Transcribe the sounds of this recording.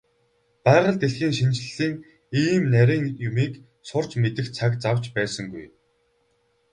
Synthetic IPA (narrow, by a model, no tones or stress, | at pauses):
pæːʁə̆ɮt̪eɮxiːŋʃint͡ɕɮɮiːŋ | iːmnæɾʲiːŋjʊmiːk | sʊr̥t͡ɕmet̪ɘ̆xt͡sʰakt͡sawt͡ɕpæːsə̆ŋɡṵj